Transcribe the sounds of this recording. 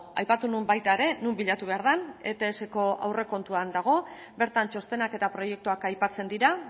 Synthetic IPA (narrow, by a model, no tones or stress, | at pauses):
a̰jpat̪unumbajt̪aeɾe̞numbiʎat̪uβe̞aɾðane̞̰t̪e̞ːse̞ko̞a̰wre̞ko̞nt̪uand̪aɣ̞o̞ | be̞ɾt̪ant͡ʃo̞st̪e̞nake̞t̪apɾo̞je̞k̚t̪uakajpat͡se̞nd̪iɾa